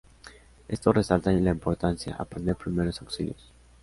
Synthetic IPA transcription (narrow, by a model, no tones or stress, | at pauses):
e̞st̪oresalt̪aɲilaimpo̞ɾt̪ansja̰ʔa̰pɾend̪e̞ɾpɾimeɾosawksiljos